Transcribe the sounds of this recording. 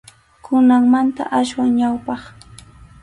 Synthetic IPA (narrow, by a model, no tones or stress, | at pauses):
kʰʊnaŋmant̪a̰ʔaʃwaŋɲawpɑχ